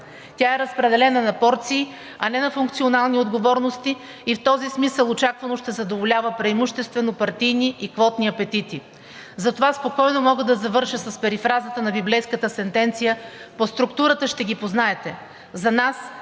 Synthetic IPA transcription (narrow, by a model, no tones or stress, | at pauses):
t̪ʲaɛɾəspɾɛd̪ɛlɛnənɐpɔɾt̪siː | ɐnɛnɐfuŋk̚t̪sionalˠniod̪ɡovɔɾnost̪i | ift̪ɔzismisəlˠot͡ʃakvɐnoʃt̪ɛzɐd̪ovolʲavəpɾɐimuʃt̪ɛst̪vɛnopɐɾt̪ijniikvɔt̪niɐpɛt̪it̪i | zɐt̪ovaspokɔjnomɔɡəd̪ɐzɐvɤɾʃəsɐspɛɾifɾazət̪ənɐbiblɛjskət̪əsɛnt̪ɛnt̪sijəpost̪ɾukt̪uɾət̪əʃt̪ɛɡʲipoznaɛt̪ɛ | zɐnas